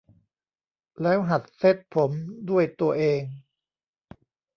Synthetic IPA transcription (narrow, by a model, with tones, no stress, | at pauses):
lɛː˦˥wɦa˨˩t̪̚se˦˥˩t̪̚pʰo˩˦mdu˥˩əjt̪u˧ɐʔeː˧ŋ